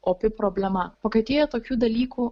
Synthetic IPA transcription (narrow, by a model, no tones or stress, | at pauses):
oːpʲɪpɾoːbʲlʲɛmɐpɐkɐɪt̪ʲeːjɛt̪oːkʲuːd̪ɐlʲiːkuː